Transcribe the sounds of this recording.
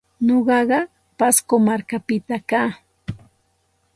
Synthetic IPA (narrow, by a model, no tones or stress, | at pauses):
ɲoɢɑɢɑ | paskomaɾkapɪt̪akaː